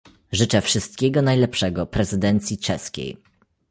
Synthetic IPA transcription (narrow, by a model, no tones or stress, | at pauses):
ʐɘt͡ʂɛfʂɘst̪̚kʲeɡɔnajlɛpʂɛɡɔpɾɛzɘd̪ɛnt̪sʲjit͡ʂɛskʲḛj